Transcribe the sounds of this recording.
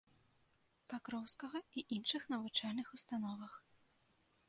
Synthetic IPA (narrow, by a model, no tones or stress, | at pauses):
pakɾɔwskɐɣɐiʔinʂɨxnɐvut͡ʂalʲnɨxust̪anɔvɐx